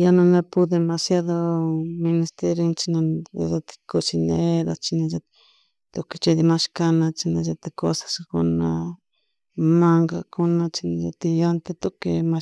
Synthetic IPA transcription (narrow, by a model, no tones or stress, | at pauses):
janõnapud̪emasjaðomĩnist̪eɾint͡ʃinã̰ðat̪i̥kot͡ʃineðat͡ʃinãʒa | t̪oke̥t͡ʃed̪imãʃkanãt͡ʃinãʒat̪ekosḁskuna | mãŋɡakunãt͡ʃinãjat̪ijant̪et̪okema